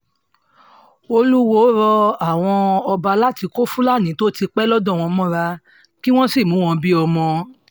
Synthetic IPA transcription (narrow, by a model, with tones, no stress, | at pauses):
o˧lu˦wo˦ɾɔ˧a˦˨w̃ɔ̃˧ɔ˧ba˧la˦ti˧ko˦fũ˦la˦˨nĩ˨˦to˦ti˧k͡pɛ˦lɔ˦dɔ̃˦˨w̃ɔ̃˧mɔ̃˦ɾa˧ | ki˦w̃ɔ̃˦si˦˨mũ˨˦w̃ɔ̃˧bi˦ɔ˧mɔ̃˧